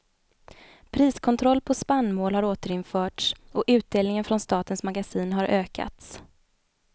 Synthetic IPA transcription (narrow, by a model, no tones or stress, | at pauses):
pʰɾiːskʰɔnt̪ʰɾɔlːpʰɔspanːmoːlhaɾoːt̪əɾɪnfœːʈʂɔʔʉ̟ːt̪̚d̪eːlnɪŋənfɾɔnst̪ɑːt̪ənsmaɡasiːnɦaɾʔøːka̰t̪s